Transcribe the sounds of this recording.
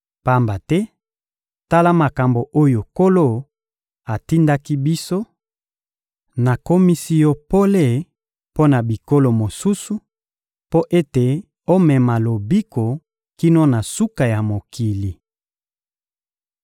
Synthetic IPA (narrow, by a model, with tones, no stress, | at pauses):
pa˦mba˨tɛ˦ | ta˦la˦ma˨ka˨mbo˨ʔo˦jo˨ko˦lo˦˨ | a˨ti˦nda˦ki˦bi˦so˦ | na˨ko˦mi˦si˦jo˦po˦le˦˨ | po˦na˨bi˨ko˦lo˨mo˨su˦su˨ | po˦ʔe˦te˨ | o˦mɛ˨ma˨lo˨bi˦ko˨ | ki˦no˦na˨su˦ka˨ja˨mo˨kʰi˨li˨